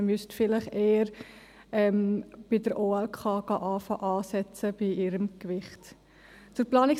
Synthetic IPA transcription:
mystfɪləχeːəɾ | ɛmb̥idəɾʔoːɛlkʰɑːɡ̥ɑʔɑːfɑʔɑːsɛt͡səb̥iʔɪɾəmkvɪχt | t͡sʊɾplɑːnɪk

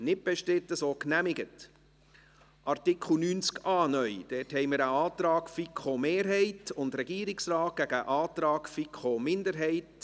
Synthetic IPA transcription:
nɪt̚b̥ɛʃtɪtəsoːknæmɪɡət | ʔɑrtɪkʰχl̩nyːnt͡skɑːnœjd̥ɛthɛɪməɾəɑːt̪ɾɑːɡfikʰomeːɾɦɛɪtʊndɾɛɡiːɾɪksrɑːt̚ɡ̥æɡəʔɑːt̪ɾɑːkfikʰχomɪndəɾɦɛɪt

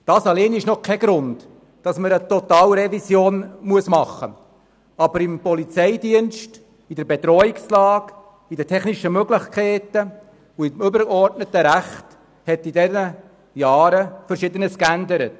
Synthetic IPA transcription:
d̥ɑːsɑleːnɪʃnɔkʰːɛɡɾʊnd | d̥ɑsməɾət̪ɔtɑːlɾɛvisjoːnmuəsmɑχːə̰ | ɑbəɾɪmpɔlit͡sɛɪdiənʃt | idɛɾbɛt̪ɾɔɪkslɑːk | idətʰɛχniʃəmøɡlɪχkʰɛːtə | uimʏbəɾɡɔrtnətəɾæχt | hɛtidɛnə | jɑːɾəfəɾʃɪdənəskændəɾət

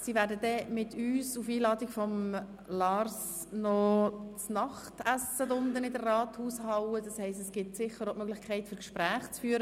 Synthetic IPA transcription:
siːvæːɾdədɛmɪtʰyːsufiːlɑːdɪkfɔm | lɑrs | nɔt͡snɑχtæsədʊndənɪdərːɑːthuːshɑwəd̥ɑshɛɪstɛsɡ̥ɪtsɪχːəɾomœɡlɪχkʰɛɪtfʏɾkʃpɾæːχt͡sfyːəɾə

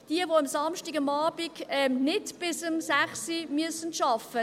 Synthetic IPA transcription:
d̥iəʋoɑmsɑmʃtiɡɑmɑːb̥iɡɛmnɪdb̥ɪsəmsæχsimyəsənʃɑfə

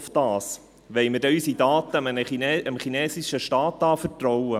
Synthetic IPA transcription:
ftɑːs | ʋɛɪmədɛysidɑːt̪əənəiəmχinɛːsiʃəʃtɑːtːɑːfəɾtɾɔwə

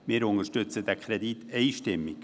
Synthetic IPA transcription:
miɾʊŋəʃtʏt͡sədɛkʰɾɛditʰeɪʃtɪmɪk

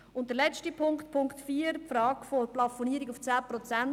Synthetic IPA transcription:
ʊnt̚dəɾlɛt͡stipʰʊŋktpʰʊŋktfiːəɾpfɾɑːɡfoplɑfoniəɾiɡʊft͡sæːpɾɔt͡sæn

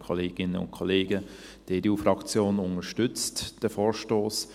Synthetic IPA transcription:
kʰɔleːɡ̥ɪnəʊ̰ntkʰɔleːɡə | d̥eduːfɾɑkt͡sjoːnʊŋəʃtʏt͡std̥əfoːɾʃtoːs

